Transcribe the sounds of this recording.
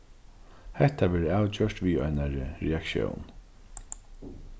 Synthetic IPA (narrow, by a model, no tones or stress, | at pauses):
hɛht̪avɛːɾawt͡ɕœʂt̪ʋiːa̰jnaɾɾɛakʃjɔ̰wn